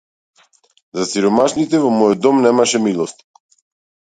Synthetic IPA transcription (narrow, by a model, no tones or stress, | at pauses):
zasiɾɔmaʃnit̪ɛvɔmɔjɔd̪ɔmnɛmaʃɛmilˠɔst̪i̥